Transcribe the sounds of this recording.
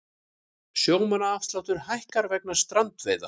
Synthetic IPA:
sjoːwmanaafst̪lawt̪ʏɾ̥hajhkaɾvɛk̚nḁst̪ɾant̪vḛːjða̰

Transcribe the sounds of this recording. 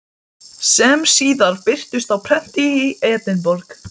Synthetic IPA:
sɛmsiːðaɾpɪr̥t̪ʏst̪awpʰɾɛn̥t̪iieːt̪nɪnpɔɾk

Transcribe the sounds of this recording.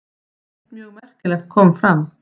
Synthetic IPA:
mjœɣmɛr̥kɪlɛxt̪̚kʰɔːmfɾam

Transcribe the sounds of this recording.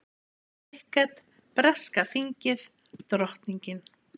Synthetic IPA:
ɪhkat̪ | pɾɛskaθiɲcɪð | t̪ɾɔht̪niɲcɪn

